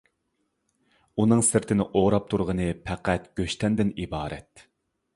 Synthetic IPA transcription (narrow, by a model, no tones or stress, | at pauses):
unɨŋsɪɾt̪ʰɪnɪʔoʁɾɑp̚t̪ʰuɾʁənɨpʰæqʰæt̪ɡ̥ʲøʃt̪ʰɛnd̪ɪnibɑːɾɛ̰t̪